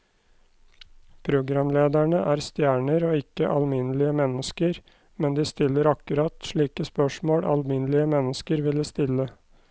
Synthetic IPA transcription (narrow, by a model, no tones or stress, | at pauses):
pʰɾʊɡɾɑmleːd̪æɳəʔæːɾst̪jæːɳəɾoːɪkəʔɑlmɪnlɪəmɛnəskəɾ | mɛnd̪iːst̪ɪlːəɾɑkʉɾɑt̪ʃɭiːkəspœʂmoːɽɑ̰lmɪnlɪəmɛnəskəɾʋɪləst̪ɪlə